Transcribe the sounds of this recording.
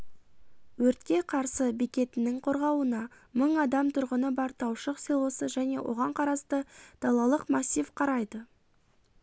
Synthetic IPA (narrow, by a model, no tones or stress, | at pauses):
wɵɾt̪̚kʲe̞qʰɑɾsəbikʲe̞t̪ɪnɪŋqʰo̞ɾʁɑwənɑ | məɴɑd̪ɑmt̪ʰʊɾʁənəbɑɾt̪ʰɑwʃəqselˠo̞səʒæne̞̰wʔo̞̰ʁɑɴqʰɑɾɑst̪əd̪̥ɑlˠɑlˠəqmɑsʲːijvqʰɑɾɑjd̪ə